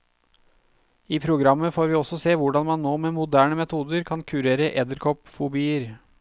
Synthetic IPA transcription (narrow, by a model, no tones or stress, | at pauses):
iːpʰɾʊɡɾɑmːəfoːɾʋiːɔsɔseːʋʊɖɑnmɑnːoːmeːmʊd̪æːɳəmɛt̪ʰuːd̪əɾkʰɑnkʰʉɾeːɾəʔɛd̪əɾkʰɔpfʊbiːəɾ